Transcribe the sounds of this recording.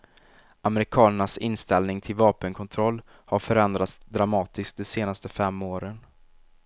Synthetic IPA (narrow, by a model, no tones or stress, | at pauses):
ʔamɛɾɪkʰɑːnəɳasɪnːst̪ɛlnɪŋt̪ʰɪlvɑːpənkʰɔnt̪ʰɾɔlː | haɾfœɾɛnd̪ɾat̪sd̪ɾamɑːt̪ɪsk̚d̪ɔseːnast̪əfɛmːoːɾən